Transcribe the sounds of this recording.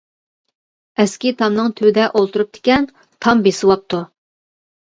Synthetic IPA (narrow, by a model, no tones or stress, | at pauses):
ɛskʲit̪ʰɑmnɨŋt̪ʰywɪd̪ɛʔolˠt̪uɾup̚d̪̥e̥kʲɛn | t̪ʰɑmbesɨwɑp̚t̪ʰu